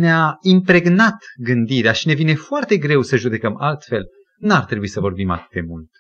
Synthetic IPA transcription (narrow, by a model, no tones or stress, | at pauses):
neaimpɾe̞ɡnat̪ɡɨnd̪iɾeaʃine̞vine̞foart̪e̞ɡɾe̞wsəʒud̪e̞kəmalt̪fe̞l | nuart̪ɾebuisəvo̞rbima̰t̪ɨ̥t̪d̪e̞mult̪